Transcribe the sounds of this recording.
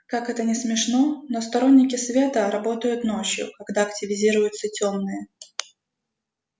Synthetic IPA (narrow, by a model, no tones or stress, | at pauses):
kakɛt̪ənʲɪsmʲɪʂno̞nost̪ɐɾo̞nʲːɪkʲɪsvʲe̞t̪əɾɐbo̞t̪əjʊt̪no̞t͡ɕjʊ̰kɐɡd̪aɐktʲɪvʲɪzʲiɾʊjʊt̪sətʲo̞mnɨjə